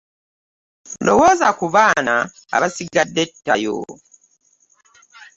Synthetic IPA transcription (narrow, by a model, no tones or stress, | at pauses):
lowozakuβaːna | a̰βasiɡadːetːajo̰